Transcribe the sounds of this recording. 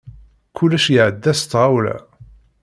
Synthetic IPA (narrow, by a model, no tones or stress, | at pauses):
kʰulːæʃjəʕəd̪ːæst̪ːʁawlæ̰